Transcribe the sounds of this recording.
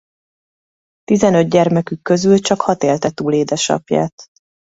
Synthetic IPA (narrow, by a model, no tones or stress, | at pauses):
t̪izɛnød̪̚ɟɛrmɛkykːø̞zylt͡ʃɒkhɒt̪eːlt̪ɛt̪uːleːd̪ɛʃɒ̰pja̰ːt̪